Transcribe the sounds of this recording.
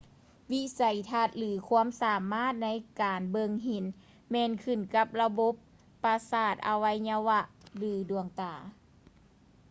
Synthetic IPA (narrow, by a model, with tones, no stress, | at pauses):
wi˧˥sa˨˩jt̪ʰa˧˩t̪̚lɯː˨˦kʰu˧˥əmsaː˨˦maː˥˨t̪̚na˧˥jkaː˨˩nbɤ˧ŋɦe˨˩˦n | mɛː˧nkʰɯ˧˩nka˧˦p̚la˧bo˧˦pː | a˧saː˧˩t̪̚ʔa˧wa˧˥jɲa˧wa˧ʔlɯː˨˩˦du˨˩əŋt̪aː˨˩